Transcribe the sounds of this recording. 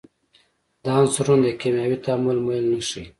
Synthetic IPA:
d̪ɑnsuɾund̪əkemjɑwit̪aːmulmolnəʂi

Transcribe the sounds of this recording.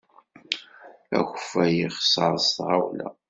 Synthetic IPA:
æ̰xəfæjiχsəɾˤsθʁawlæ̰

